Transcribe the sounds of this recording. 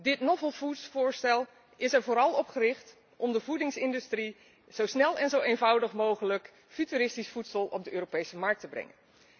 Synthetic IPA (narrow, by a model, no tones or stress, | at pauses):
dɪtnɔvəlˠvutsfʊːɹstɛlˠ | ɪsɛɹvoːɾɑlˠɔpχərɪχt | ʔɔmdəvudɪŋsɪndystri | z̥owsnɛlˠɛnzowejnvʌwdəχmowχələk | fytyɾɪstisfutsəlˠɔ̰b̚dəʔøːɾopejsəmɑɹk̚təbrɛ̰ŋə̰n